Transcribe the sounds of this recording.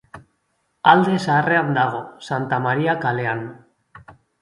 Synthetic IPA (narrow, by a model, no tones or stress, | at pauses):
ald̪e̞saːreand̪aɣ̞o̞sant̪amaɾiakale̞an